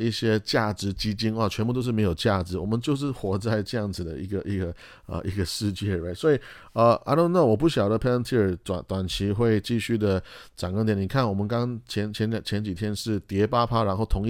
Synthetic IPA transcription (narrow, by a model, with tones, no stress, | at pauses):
i˥˩ɕjɛ˥t͡ɕja˥˩ʈ͡ʂɻ̩˧˥t͡ɕi˥t͡ɕi˥na˥˧˩t͡ɕʰɥɛ˧˥np̬u˥˩t̪o˥ʊʂ̬ɻ̩˥˩me˧˥ɪjo˨˩ʊt͡ɕja˥˩ʈ͡ʂɻ̩˧˥wɔ˨˩mə˦nt͡ɕjo˥˧ʊʂ̬ɻ̩˥˩xwɔ˧˥t͡sa˥˧ɪʈ͡ʂɤ˥˧jɑ˥˩ŋd͡zɹ̩˨˩d̪ə̰˦i˧˥ɡə˧ʔi˧˥ɡə˧ | ə̰˧ʔi˧˥ɡə˧ʂɻ̩˥˧t͡ɕjɛ˥˩˨e˥˩ɪswɔ˧˥i˨˩ | ə˧ʔa̰˧˥no˥˧na˥˩wɔ˨˩pu˥˩ɕjɑ˨˩ʊdə˦pʰɛ˥nt̪ʰi˥ə˞˨˩t̪a̰˨˩nt̪wa˨˩nt͡ɕʰi˧˥xwe˥˧ɪt͡ɕi˥˧ɕy˥˩d̪ə˩ʈ͡ʂŋkŋt̪jɛ˧˥˦ni˨˩kʰa˥˩nwɔ˨˩mə˧˦nkɑ˥ŋɑŋt͡ɕʰjɛ˧˥nt͡ɕʰjɛ˧˥n˨t͡ɕʰjɛ˧˥nt͡ɕi˨˩t̪ʰjɛ˥nʂɻ̩˥˩t̪jɛ˧˥pa˥pʰa˥ɻa˧˥nxo˥˩ʊt̪ʰʊ˧˥ŋi˥